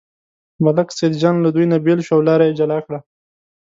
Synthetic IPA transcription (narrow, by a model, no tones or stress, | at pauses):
malaksed̪d͡ʒanlad̪ujnabelʃwawlɑɾajed͡ʒalɑkɽa